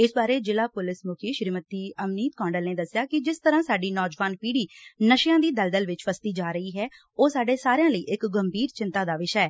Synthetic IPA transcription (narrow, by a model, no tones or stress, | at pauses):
ɪsbaːɾeːd͡ʒɪlaːpʊlɪsmʊkʰiːʃɾiːmət̪iːəmniːt̪̚kɔ̃ːɳɖəlneːd̪əsːjaːkɪd͡ʒɪst̪əɾãːsaːɖiːnɔːd͡ʒʋaːnpiːɽiːnəʃjãːd̪iːd̪əld̪əlʋɪt͡ʃpʰəst̪iːd͡ʒaːɾəiːɦɛː | oːsaːɖeːsaːɾjãːləiːʔɪkɡəmbʱiːɾt͡ʃɪnt̪ãːd̪aːʋɪʃɛɛː